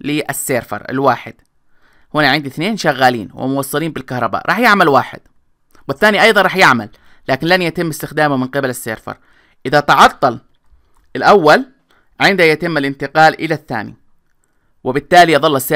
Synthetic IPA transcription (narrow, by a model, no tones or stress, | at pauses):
lɪʔasːeːɾfɑ̰ɾˤɪ̰lwaːħɪ̰d̪̥ | hʊnaʕɪnd̪iθneːnʃaɣːaːlḭːnwɪ̰mʊwɑsˤːɑliːnbɪlkahɾˤɑba̰ːʔɾˤɑːħjɪʕmalwa̰ːħɪ̰d̪̥̚ | wɪθːaːniʔɑjðˤɑnɾˤɑːħjɪʕmalː | aːkɪnlanjat̪ɪmːɪst̪ɪxd̪aːmumɪnqɪbalɪsːeːɾfɑ̰ɾˤ | ʔɪðat̪ɑʕɑt̪ˤːɑl | ɪlʔawːal | ʕɪnd̪ajat̪ɪmːalʔɪnt̪ɪqɑːlʔɪlaθːa̰ːnḭ | wɪbɪt̪ːaːliʔɑðˤɑlːasːe